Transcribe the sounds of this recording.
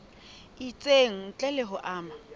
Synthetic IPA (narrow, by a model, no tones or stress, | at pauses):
it͡sʼeŋ̩t͡ɬʼɛlɪɦʊʔaːma